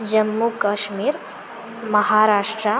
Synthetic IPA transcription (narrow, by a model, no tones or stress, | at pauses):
d͡ʒɐmːukɐʃmiːɾ | mɐhaɾaːʃʈɾa